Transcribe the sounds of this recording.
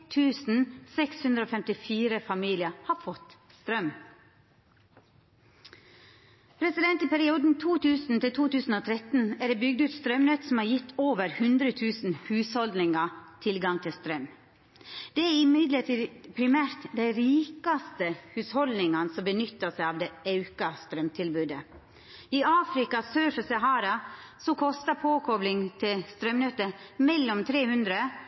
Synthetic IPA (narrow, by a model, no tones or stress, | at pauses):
t̪ʰʉːsn̩sɛkshʉnd̪ɾəoːfɛmt̪ɪfiːɾəfɑmiːlɪɑhɑːfɔt̪ | st̪ɾœm | pʰɾɛsɪd̪ɛnt̪ɪpæɾɪuːd̪n̩t̪ʰuːt̪ʰʉːsn̩t̪ʰɪlt̪ʰuːt̪ʉːsn̩oːt̪ʰɾɛt̪n̩æɖeːbʏɡd̪ʉːt̪st̪ɾœmnøːt̪sɔm̩hɑːjɪt̪ʰːoːʋəɾhʉnd̪ɾət̪ʰʉːsn̩hʉːshɔld̪nɪŋɑt̪ʰɪlɡɑŋt̪ʰɪst̪ɾœm | d̪̥ɛæɾɪmɪd̪ləʈiːd̪pʰɾɪmæːɾt̪d̪æɪɾiːkɑst̪əhʉːshɔld̪nɪŋɑnəsɔmbənʏt̪ːəsæɪɑːʋd̪ɛɑʉkɑst̪ɾœmt̪ʰɪlbʉːd̪ə | iʔɑːfɾɪkɑsøːɾfəsɑɦɑːɾɑsɔkʰɔst̪ɑpʰoːkʰɔblɪŋt̪ʰɪlst̪ɾœmnœt̪əmɛlːɔmt̪ʰɾeːhʉnd̪ɾə